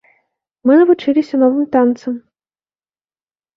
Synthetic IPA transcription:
mɨnɐvut͡ʂɨlʲisʲɐnɔvɨmt̪ant̪sɐm

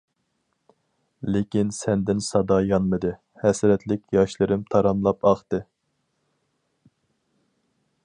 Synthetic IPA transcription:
lekʲinsɛnd̪ɪnsɑd̪ɑjɑnmɨd̪ɨ | hɛsɾɛt̪ʰlɪkʲjɑʃlˠɨɾɨmt̪ʰɑɾɑmlˠɑpɑχt̪ɨ

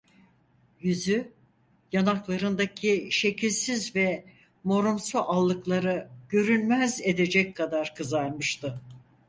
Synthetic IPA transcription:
jyzy | janaklˠaɾɯnd̪acʰiʃe̞cʰilʲsizvɛ | mo̞ɾumsuʔalˠːɯklˠaɾɯɟ̥ø̞ɾynʲmæze̞d̪e̞d͡ʒɛckʰːad̪aɾkʰɯzaɾmɯʃt̪ʰɯ

